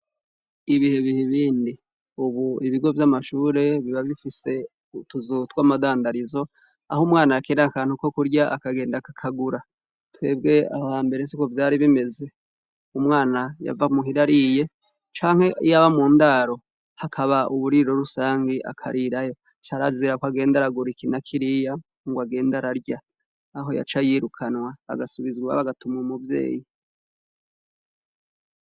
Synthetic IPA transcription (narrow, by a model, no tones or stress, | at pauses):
iβiheβiheβiːndi | uβuiβiɡo̞vjamaʃuːɾe̞βiβaβifise̞ | tuzutwamadaːndaɾizo̞ | a̰humŋaːnaakeːnakaːn̥huko̞kuɾɟaʔa̰kaɡe̞ːndakakʰaɡuɾa | twe̞ːbɡe̞ahaːmbe̞ɾe̞sikovjaːɾiβime̞ze̞ | umŋaːnaja̰vamuɦiɾaɾije̞ | t͡ʃaːŋhe̞ijaβamuːndaɾo̞ | hakʰaβaʔuβuɾiɾo̞ɾusaːŋɡeʔa̰kʰa̰ɾʔiɾajo̞ | t͡ʃaɾaziiɾakwaɡe̞ːndaɾaɡuɾikinakʰiɾija | ŋɡwaɡe̞ːndaɾaɾɟaː | ɦo̞ja̰t͡ʃajiɾukʰanwa̰ːɡasuβizɡa̰βaɡatumŋumuvje̞̰ːji